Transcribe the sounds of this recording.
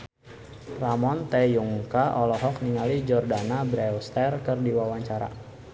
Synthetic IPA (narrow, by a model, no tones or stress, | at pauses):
ramɔnt̪ejuŋkaʔɔlɔɦɔkniŋalid͡ʒɔrdanabɾɛɔst̪ɛrkərdiwawaɲt͡ʃaɾa̰